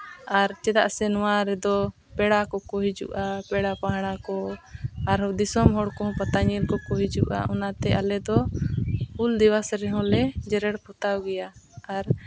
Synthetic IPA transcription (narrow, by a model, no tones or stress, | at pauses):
aɾt͡ʃɛd̪a̰ʔsɛnɔwaɾɛd̪ɔ | pɛɽakɔkɔɦid͡ʒṵʔapɛɽapaɦaɽ̃akɔ | aɾd̪isɔmɦɔɽkɔɦɔ̃pat̪aɲilkɔkɔɦid͡ʒuʔa̰ʔɔnat̪ɛʔalɛd̪ɔ | puld̪iwasɾɛɦɔ̃lɛd͡ʒɛɾɛɽpʰɔt̪awɡɛjaaɾ